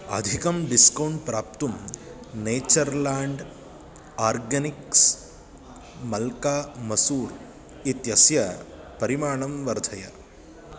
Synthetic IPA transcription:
ɐ̰d̪ʱikɐmɖiskɐwɳɖpɾaːp̚t̪um | neːt͡ʃɐɾlaːɳɖ | aːɾɡɐniks | mɐlkaːmɐsuːɾ | it̪jɐsjɐ | pɐɾimaːɳɐmʋɐɾd̪ʱɐjɐ

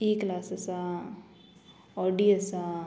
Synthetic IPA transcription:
iːklaːsɐsa | ɔɖiɐsa

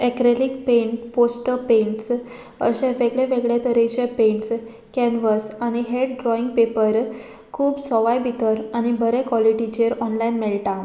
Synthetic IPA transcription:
ekɾelikpẽɳʈposʈəpẽɳʈs | ə̰ɕɛ̃ʋeɡɭeʋeɡɭjet̪əɾeɕepẽɳʈs | kɛnʋəsañiɦeʈɖɾɔiŋɡ̚pepəɾ | kʰuːbsɔʋajbʱit̪əɾaɽ̃ibʱəɾẽkʋɔliʈid͡ʑeɾɔnlainmeɭʈã

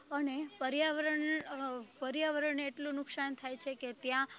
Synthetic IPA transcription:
ənepəɾjaʋəɾəɳ | pəɾjaʋəɾəɳeʈlũnʊksant̪ʰajt͡ʃʰeket̪jã

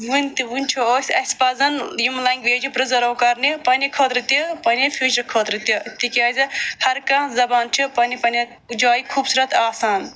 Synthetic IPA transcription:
ʋunʲt̪iʋunʲt͡ʃʰioːsʲɐsʲpɐzɐnjimlɐŋɡʲʋeːd͡ʒipɾɐzɐɾɐːkɐɾnipɐnikʰɐːt̪ɾɨt̪ipɐnʲifʰid͡ʒɐkʰoːt̪ɾɨt̪it̪ikʲaːzʲɨhɐɾkãːzɐbaːnt͡ʃʰipɐnipɐni | d͡ʒaːjikʰuːbsuɾɐt̪aːsaːn

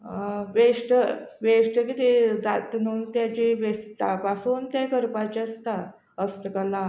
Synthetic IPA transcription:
ʋeʂʈəʋeʂʈəkit̪ed͡zat̪nuːnt̪jat͡ɕeʋest̪apasuːnt̪jakəɾpat͡ɕeəst̪a | əst̪əkəla

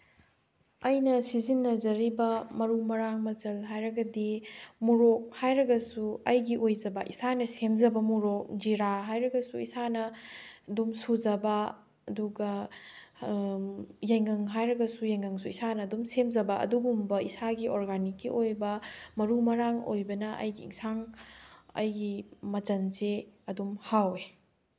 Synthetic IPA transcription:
ɐjnɐsizinːɐzɐɾibɐmɐɾumɐɾaŋmɐt͡ʃɐlɦajɾɐɡɐdimuɾok̚hajɾɐɡɐsuɐjɡiʔojzɐbɐʔisanɐsemzɐbɐmuɾok̚d͡ʒiɾaɦajɾɐɡɐsuisanɐdumsuzɐbɐ | ɐduɡɐ | jɐjŋɐŋɦajɾɐɡɐsujɐjŋɐŋsuisanɐːdumsemzɐbɐʔɐ̰duɡumbɐisaɡiʔoɾɡanikːiʔojbɐmɐɾumɐɾaŋo̰jbɐnɐʔɐ̰jɡḭːŋsʰaŋ | ɐ̰jɡimɐt͡ʃɐnzeɐdumhawe

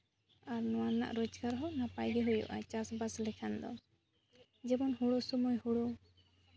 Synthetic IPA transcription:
aɾnɔwana̰ʔɾɔt͡ʃkaɾɦɔnapajɡɛɦujṵʔa̰t͡ʃasbaslɛkʰand̪ɔ̰ | d͡ʒɛbɔnhuɽɔsumujhuɽu

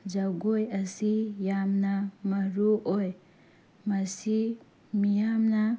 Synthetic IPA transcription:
d͡ʒaɡojasijamnamaɾuʔoj | masi | mijamna

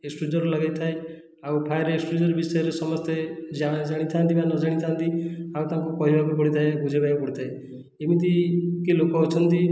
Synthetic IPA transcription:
eksʈɾud͡ʒɔɾɔlɔɡajt̪ʰae | awpʰajɾeeksʈɾud͡ʒɔɾɔbisɔjɔɾesɔmɔst̪ed͡ʒad͡ʒaɽ̃it̪ʰant̪ibanɔd͡ʒaɽ̃it̪ʰant̪iawt̪aŋkukɔɦibʱabupɔɽit̪ʰaebʱud͡ʒʱebajpɔɽit̪ʰae | emit̪̬ikilokɔɔt͡ʃʰɔnt̪i

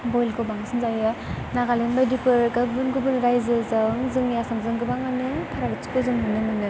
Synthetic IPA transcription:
bojlkʰobaŋsɯnzajɯnaɡalenbadipʰɯɾɡabɯnɡɯbɯnɾajzɯzɯŋzɯŋjasamzɯŋɡɯbaŋanɯpʰaɾalɯt͡ʃi̥kɯzɯŋmɯnɯnɯnɯ

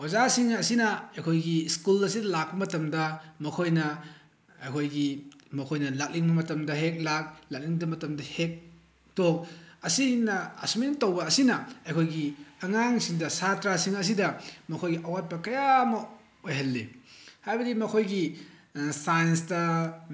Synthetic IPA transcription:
wazasiŋɐsinɐɐjkʰojɡiskulɐsidɐlak̚pɐmɐtɐmdɐmɐkʰojnɐ | ɐjkʰojɡimɐkʰojnɐlak̚liŋbɐmɐtɐmdɐɦek̚lak̚lak̚liŋdɐmɐtɐmdɐhek̚ | tok̚ɐsinɐːsumintɐwbɐːsinɐɐjkʰojɡiɐŋaŋsiŋdɐsatɾasiŋɐs̬idɐmɐkʰojɡiʔɐwat̚pɐkɐjamɐ | ojɦɐlːihajbɐdimɐkʰojɡi | sajnsdɐ

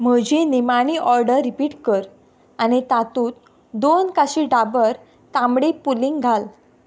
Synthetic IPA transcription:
m̤əd͡ʑinimaɽ̃iʔɔɾɖəɾːipiːʈkəɾ | anit̪at̪uːt̪ | d̪onkaɕiɖabəɾ | t̪ãmɽepuliŋɡɡʱal

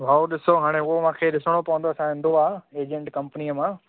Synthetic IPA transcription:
bʱaːoɗɪsoɦaːɽ̃eʊɦomãːkʰeɗɪsəɽ̃opɐʋə̃nd̪oɐsãɦɪ̃nd̪oaːeːd͡ʑə̃ɳʈkɐ̃mpənijəmãː

